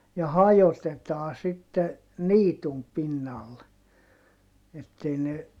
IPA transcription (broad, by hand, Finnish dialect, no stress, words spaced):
jɑ hɑjotetɑː sitːe niːtum pinːɑl etːei ne